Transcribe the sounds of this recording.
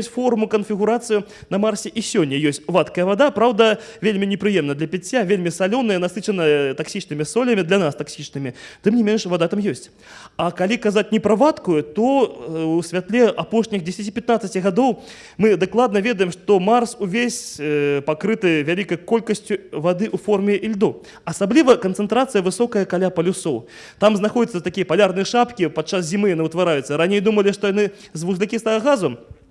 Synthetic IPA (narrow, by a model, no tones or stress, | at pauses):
sʲfɔrmukɐnfʲiɣuɾat̪sɨjunɐmarsʲɛʔisʲɔnʲːɐjɔsʲt͡sʲvat̪kɐjɐvad̪apɾawd̪ɐvʲelʲmʲinʲɛpɾɨjɛmnɐd̪lʲɐpʲit͡sʲːavʲelʲmʲisalʲɔwnɨjɐnasɨt͡ʂɐnɐt̪aksʲit͡ʂnɨmʲisɔlʲɐmʲid̪lʲanast̪aksʲit͡ʂnɨmʲit̪ɨmnʲimʲenʂvad̪at̪amjɔsʲt͡sʲ | ɐkalʲikazat͡sʲnʲɛpɾɐvat̪kujut̪ɔwsʲvʲat̪lʲɛʔapɔʂnʲixd͡zʲesʲɐt͡sʲipʲat̪nat̪sɐt͡sʲɣad̪ɔw | mɨd̪aklˠad̪̚nɐvʲɛd̪ɐjɛmʂt̪ɔmarsuvʲesʲpakɾɨt̪ɨjvʲalʲikɐjkɔlʲkɐsʲt͡sʲuvad̪ɨʔufɔrmʲɛʔilʲd̪ɔ | ɐsablʲivɐkɐnt̪sɨnt̪ɾat̪sɨjɐvɨsɔkɐjɐkalʲapɐlʲusɔw | t̪amznaxɔd͡zʲit̪sɐt̪akʲijɐpalʲarnɨjɛʂapkʲipat̪̚t͡ʂas̬zʲimɨjanɨuwt̪vaɾajut̪sːɐɾanʲejd̪umɐlʲiʂt̪ɔjanɨzvuzlʲikʲist̪ɐɣɐɣazɐm